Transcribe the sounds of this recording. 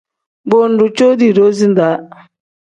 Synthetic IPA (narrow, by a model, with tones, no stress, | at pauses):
bo˦n̩˨˦ɾʊ˨t͡ʃo˦di˨ɾo˦zi˦n̩˦da˨˦